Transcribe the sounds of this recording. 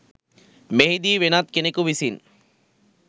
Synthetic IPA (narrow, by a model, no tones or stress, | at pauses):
meɦid̪iːʋenat̪̚kenekuʋisin